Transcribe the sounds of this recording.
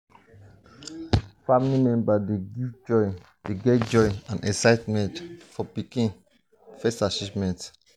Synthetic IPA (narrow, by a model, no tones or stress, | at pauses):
fãmilimɛ̃mbadeɡivd͡ʒɔ̃ɪn | d̥eɡɛtd͡ʒɔ̃ɪnãnʔɛ̰ksaɪtmɛ̃ntfɔpikĩn | fɛstat͡ʃivmɛ̃nt